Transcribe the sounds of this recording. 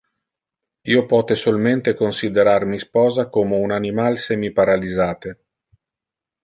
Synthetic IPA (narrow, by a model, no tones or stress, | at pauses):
iopɔːt̪esolment̪ekonsid̪eɾarmispɔːzakoːmeunanimalsɛmipaɾalizaːt̪e